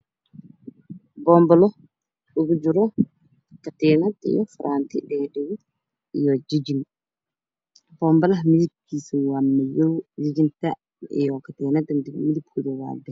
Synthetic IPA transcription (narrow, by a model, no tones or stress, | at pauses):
bɔmbɔlɔ | ɗuɡud͡ʒuɾɔ | katɛnatɛ̰jɔ̰fɾʔantḭdɛdɛwi | jɔd͡ʒid͡ʒin | bɔmbalamidikisiwamːajowd͡ʒid͡ʒinta | ɛ̰jɔkatɛːnatɛmdimidipkudɛwa̰dɛ